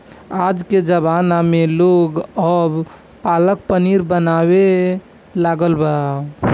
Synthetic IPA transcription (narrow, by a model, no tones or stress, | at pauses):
ad͡ʒked͡ʒəbanameloɡəb | palək̚pəniɾbənaβe | laɡəlbəa